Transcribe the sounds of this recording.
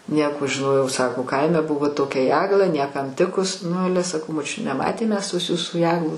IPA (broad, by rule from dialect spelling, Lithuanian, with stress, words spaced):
ˈnʲiɛkoː ʒʲɪˈnoːjɛʊ ˈsɑːkoː ˈkɐɪmʲɛ ˈbʊʋoː ˈtoːkʲɛ ˈjæːɡlˠɐ ˈnʲiɛkɐm ˈtʲɪkʊs ˈnʊ ˈɑːlʲɛ sɐˈkɐʊ moːˈt͡ʃʲʊt nʲɛˈmɑːtʲeːm ˈmʲɛs toːs ˈjuːsuː ˈjæːɡlˠoːs